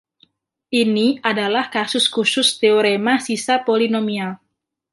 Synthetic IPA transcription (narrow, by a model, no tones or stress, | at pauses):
ʔiniadalahkasʊskusʊst̪eoɾemasisapolinomial